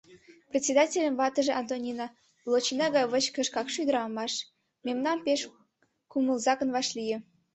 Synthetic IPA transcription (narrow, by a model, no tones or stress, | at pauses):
prʲet̪ʲsʲed̪ɑtʲelʲə̆mvɑt̪ə̆ʒĕʔɑnd̪onʲinɑ | lˠot͡ɕinɑɡɑjβə̆t͡ɕkə̆ʃkɑkʃujd̪əɾɑmɑʃ | mʲemnɑmpeʃ | kumə̆lzɑkə̆nβɑʃlʲijĕ